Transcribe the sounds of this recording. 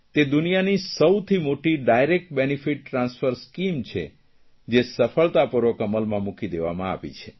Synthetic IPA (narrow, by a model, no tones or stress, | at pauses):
t̪ed̪unijanisəwt̪ʰimoʈiɖajɾek̚ʈ̚benifiʈːɾãnsfəɾskimt͡ʃʰḛ | d͡ʒesəfəɭt̪apuɾʋokəməlmãmũkid̪eʋa̰mãa̰ʋḭt͡ʃʰe